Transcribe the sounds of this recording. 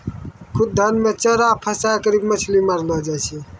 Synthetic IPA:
kʰʊd̪̚d̪ʱənmẽt͡ʃəɾapʰəsakəɾibmət͡ʃʰliməɾləd͡ʒat͡ʃʰi

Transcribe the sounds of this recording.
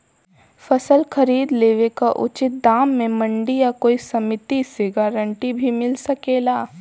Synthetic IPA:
fɐsəlxɐɾiːd̪leːʋekaʔʊ̰t͡ʃɪt̪̚d̪aːmːẽmɐ̃ɳɖijakoːisɐmɪt̪isɪɡaːɾə̃ɳʈibʱimɪlsɐkeːlaː

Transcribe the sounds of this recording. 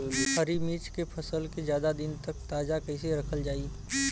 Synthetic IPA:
ɦɐɾimiːt͡ʃkepʰɐsəlkezjaːd̪ad̪ɪnt̪ɐkt̪aːd͡ʒakɐɪseɾɐkʰəld͡ʒaːi

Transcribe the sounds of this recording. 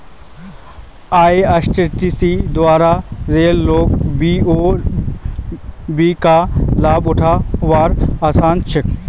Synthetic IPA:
aːeɐsʈɪʈiːsid̪waːɾaɾeːlːoːkbioː | biːkalaːbʊʈʰaʋaːɾaːsaːnt͡ʃɪk

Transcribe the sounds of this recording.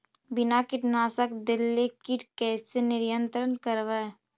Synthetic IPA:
bɪnakɪʈnaːsəkd̪ɪlːekɪʈkɛːsenɪɾjə̃nt̪ɾənkəɾʋae

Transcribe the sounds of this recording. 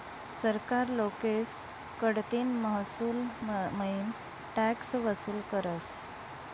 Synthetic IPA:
səɾkaɾlokes | kəɽt̪iːnməɦsuːlməin | ʈæksʋəsuːlkəɾəs

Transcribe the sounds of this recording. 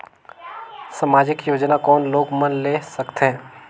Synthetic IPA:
samaːd͡ʒɪkjoːd͡ʒnakɔːnloːɡmɐnlesɐkt̪ɦɛ̃ː

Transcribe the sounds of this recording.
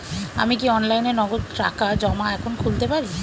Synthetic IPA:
a̰mik̬iɔnlajneɾnɔɡod̪̚ʈɾa̰kad͡ʑɔmaɛkʰonkʰult̪epaɾi

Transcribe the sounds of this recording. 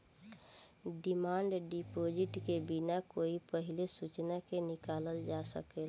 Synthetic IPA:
ɖimaɳɖɖipod͡ʒiʈkebinakoipəɦilesut͡ʃnakenikaləld͡ʒasə̰kel

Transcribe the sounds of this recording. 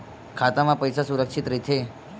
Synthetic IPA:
kʰat̪amãpəjsasuɾəkʂit̪ɾit̪ʰe

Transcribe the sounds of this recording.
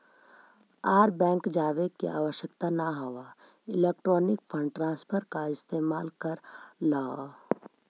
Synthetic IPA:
aːɾbɛ̃ːŋkd͡ʒaːʋekḭʔaːwəʃjəkt̪anaɦowa | ɪlek̚ʈɾɔːnɪkpʰə̃ɳɖʈɾãːnspʰəɾkaɪst̪eːmaːlkəɾlaa

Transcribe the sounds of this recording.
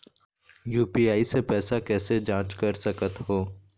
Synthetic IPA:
juːpiaːisepɛːsakɛːsed͡ʒãːt͡ʃkɐɾsɐkət̪ɦoː

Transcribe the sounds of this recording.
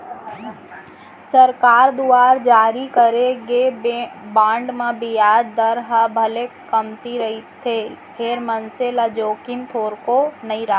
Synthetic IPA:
səɾkaːɾd̪uaːɾd͡ʒaːɾikəɾeɡebãːɳɖmãbijaːdd̪əɾɦabʱɐlekɐmt̪iɾɐɦit̪ʰepʰeːɾmɐnselad͡ʒoːkimt̪ʰoːɾkonəĩɾa

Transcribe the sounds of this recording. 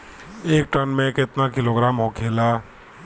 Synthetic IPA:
eːk̚ʈənmẽkɪt̪nakɪloːɡɾaːmɦokʰeːla

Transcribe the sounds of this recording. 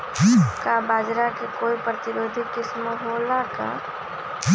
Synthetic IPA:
kabaːd͡ʒɾakekoːipɾət̪ɪɾoːd̪ʱikɪsmoɦolaka̰

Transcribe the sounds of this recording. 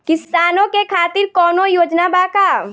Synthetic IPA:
kɪsaːnõkekʰaːt̪ɪɾkɔːnojoːd͡ʒnabaːkaː

